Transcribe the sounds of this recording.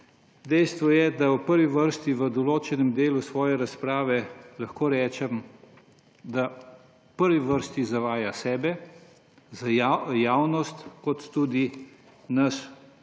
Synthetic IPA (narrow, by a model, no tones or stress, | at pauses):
d̪ɛjst̪ʋɔjɛd̪awpəɾʋiʋəɾst̪iʋəd̪ɔloːt͡ʃɛnɛmd̪eːlusʋɔːjɛɾaspɾaːʋɛlaxkoːɾɛːt͡ʃɛm | d̪a | pəɾʋiʋəɾst̪izaʋaːjasɛːbɛ | zajaːwnɔst̪kɔt̪ːud̪i | nɐs